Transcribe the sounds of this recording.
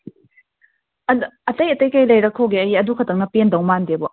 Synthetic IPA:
ɐdɐtɐjɐtɐjkɐjlɐjɾɐkʰːoɡeɐjɐdukʰɐtɐŋ̚nɐpendɐwmandebɔ

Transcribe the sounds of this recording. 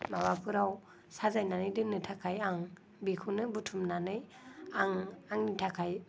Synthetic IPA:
mabapʰuɾaw | sazajnanɯjdɯnɯtʰakʰajaŋ | bikʰunɯbutʰumnanɯj | aŋaŋnitʰakʰaj

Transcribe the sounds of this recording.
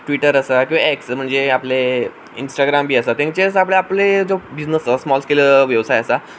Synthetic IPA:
ʈʋiʈəɾəsakĩaeksm̤əɳd͡zeaple | insʈaɡɾambʱiːəsat̪ãŋt͡ɕeəsəapleapled͡zobid͡ʑnəsəsmɔlskeləʋjəʋsajəsa

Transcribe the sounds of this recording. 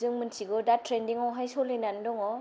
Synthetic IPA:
zɯŋmɯntʰiɡɔdattɾendiŋɔwɦajsɔlːejnandɔŋɔ

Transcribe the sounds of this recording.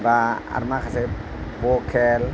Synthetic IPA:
baa̰ɾmaxasɛ | bokʰɛl

